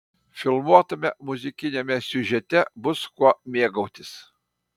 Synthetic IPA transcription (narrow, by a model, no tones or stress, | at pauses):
fʲɪlˠmuɔt̪ɐmʲɛmʊzʲɪkʲɪnʲemʲɛsʲʊʒʲɛt̪ʲɛbʊskuɔmʲeːɡɐʊt̪ʲɪs